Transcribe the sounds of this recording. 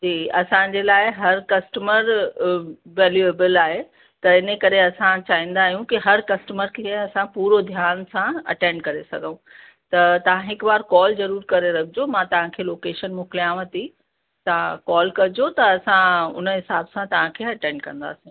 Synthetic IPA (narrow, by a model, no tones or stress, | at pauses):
d͡ʑiːɐsãd͡ʑeːlaːɪɦɐɾkɐsʈəməɾ | ʋɛːljueːbɪlaːɦe | t̪ɐɪnə̆kɐɾeɐsãt͡ɕaːĩːn̆d̪aːɦijũkiɦɐɾkɐsʈəməɾkʰeɐsãpuːɾod̪ʱjaːnsãɐ̰ʈẽːɳɖkɐɾesɐ̰ɡʱəũ | t̪ɐt̪ɐʋ̤ãɦɪkbaːɾkɔːlzɐɾuːɾkɐɾeɾɐkʰɪd͡ʑomãt̪ɐʋ̤ãkʰeːloːkeːʃənmʊklijãʋɐt̪i | t̪ɐʋ̤ãkɔːlkɐɾɪd͡ʑot̪ɐɐsãʊ̰nəɦɪsaːbsãt̪ɐʋ̤ãkʰeːɐʈẽːɳɖ̚kɐ̃nd̪a̰ːsĩ